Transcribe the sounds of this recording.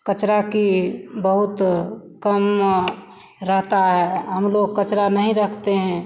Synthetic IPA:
kət͡ʃɾakibəɦut̪kəm | ɾəɦt̪aɦɛɦəmloɡ̚kət͡ʃɾanəɦĩɾəkʰt̪eɦɛ̃

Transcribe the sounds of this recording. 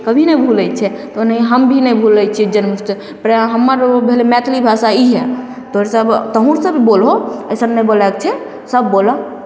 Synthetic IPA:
kəbʱinəbʱulɛt͡ʃʰɛt̪onəɦiɦəmbʱinəjbʱulət͡ʃʰid͡ʒənmusse | pɾɦəmːəɾbʱelemɛt̪ʰlibʱasaiɦɛ | t̪oɦɾesəbt̪əɦũɾsə̃bʱibolɦoəjsənnəbolakt͡ʃʰɛ | səbːolɔ

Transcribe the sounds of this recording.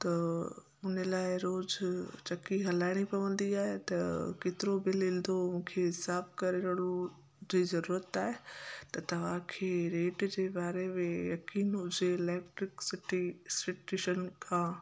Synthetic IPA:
t̪ɐ | ʊn̤əlaːɪɾoːzt͡ɕɐkiɦɐlaːɪɽ̃ipɐʋə̃nd̪iaːɦet̪ɐket̪ɪɾobɪlɪld̪omũːkʰeɦɪsaːbkɐɾeɾəɽ̃u | d͡ʑiːzɐɾuːɾət̪aːɦet̪ɐt̪ɐʋ̤ãkʰeːɾeːʈd͡ʑeːbaːɾemẽjɐkiːnɦʊd͡ʑeɪleːkʈɾɪksɪʈisɪʈuʃənkʰãː

